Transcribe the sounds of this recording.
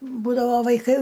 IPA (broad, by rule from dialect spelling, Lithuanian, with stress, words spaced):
ˈbuːdɐʋoː ʋɐɪˈkɐɪ